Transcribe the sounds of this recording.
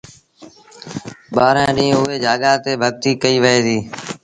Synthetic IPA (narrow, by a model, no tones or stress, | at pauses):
ɓaːɾãːɗĩːʊeːd͡ʒaːɠaːt̪eːbʱəɠ̚t̪iːkəiːʋəɦeːd̪iː